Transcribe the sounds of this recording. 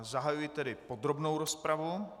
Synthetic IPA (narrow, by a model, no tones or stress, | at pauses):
zaɦajujɪt̪ɛdɪpod̪ɾo̞bnowɾospɾavu